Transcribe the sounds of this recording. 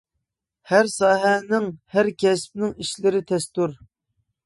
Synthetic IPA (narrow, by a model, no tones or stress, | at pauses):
hæɾsɑːɦɛnɪŋhæɾkʲɛsp̚nɪŋiʃlɪɾɪt̪ʰɛst̪uɾ